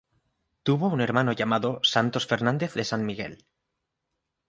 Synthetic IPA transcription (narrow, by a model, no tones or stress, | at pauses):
t̪uβoune̞ɾmanoʝamaðosant̪o̞sfe̞ɾnãnd̪e̞θðe̞sanmiɣe̞̰l